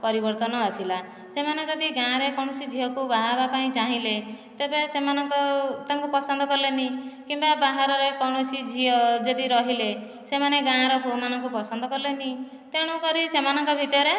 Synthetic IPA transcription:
pɔɾibɔɾt̪ɔnɔasila | semanet̪ɔd̪iɡãɾekɔɽ̃ɔsid͡ʒʱiɔkubaɦabapaĩt͡ʃaɦĩlet̪ebesemanɔŋkɔt̪aŋkupɔsɔnd̪ʱɔkɔɾilenĩkimbabaɦaɾɔɾekɔɽ̃ɔsid͡ʒʱiɔd͡ʒɔd̪iɾɔɦile | semaneɡãɾɔpumanɔŋkupɔsɔnd̪ɔkɔɾilenĩ | t̪eɽ̃ukɔɾisemanɔŋkɔbʱit̪jɔɾe

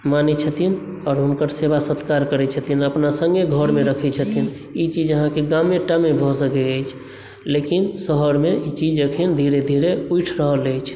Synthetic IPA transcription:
manɛt͡ʃʰət̪ʰin | ɔːɾɦumkəɾseβasət̪kaɾkəɾɛt͡ʃʰət̪ʰinəpnasəŋɡeɡʱəɾmeɾəkʰɛt͡ʃʰət̪ʰin | it͡ʃid͡ʒəɦãkeɡameʈamebʱɔsəkeəjt͡ʃʰ | lekinsəɦəɾmeit͡ʃid͡ʒəkʰind̪ʱiɾed̪ʱiɾeujʈʰɾəɦələjt͡ʃʰ

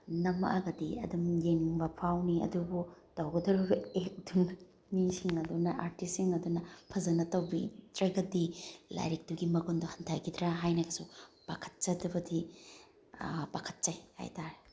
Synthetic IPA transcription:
nɐmɐ̰ʔɐɡɐdiɐ̰dumjeŋbɐpʰawniɐ̰dubutɐwɡɐdɐɾubɐek̚duŋ | nisiŋɐdunɐʔaɾtisiŋɐdunɐpʰɐzɐnɐtɐwbitɾɐɡɐdila̰jɾik̚d̥uɡimɐɡonduhɐntʰaɡid̪ɾaɦajnɐkʰɐsupakʰɐ̥t̚t͡ʃɐdɐbɐdi | bakʰɐ̥t̚t͡ʃɐjha̰jtaɾe

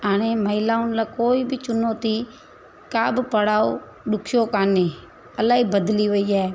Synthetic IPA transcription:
aːɽ̃eːməɪlaːʊnlaːkoːiːbʱit͡ʃʊnoːt̪iː | kaːbpəɽaːo̰ː | ɗʊkʰjoːkaːneː | əlaːiːbəd̪liːʋəiːɛː

